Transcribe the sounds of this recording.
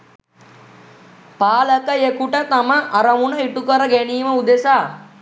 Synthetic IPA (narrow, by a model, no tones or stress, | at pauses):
paːləkəjekuʈət̪aməʔaɾəmunəiʈukəɾəɡæniːməud̪esaː